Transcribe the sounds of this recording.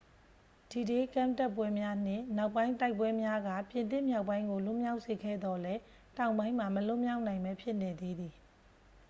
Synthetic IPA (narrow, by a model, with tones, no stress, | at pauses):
d̥i˨de˦kã˦˨mta˦˨pːwɛ˦mja˦n̥ɪ̰̃˦˨na˦ʊpːã˦ɪ̃nta˦ɪpwɛ˦mja˦ɡa̰˦˨pjɪ̃˨nt̪̬ɪ̃˦˨mja˦ʊpːã˦ɪ̃ŋɡo˨lʊ˦˨mja˦ʊʔse˨ɡɛ̰˦˨d̪ɔ˨lɛ˦ | tã˨ʊ̃mbã˦ɪ̃m̥a˨məlʊ˦mja˦ʊʔnã˨ɪ̃mbɛ˦pʰjɪ˦ʔne˨d̪e˦d̪i˨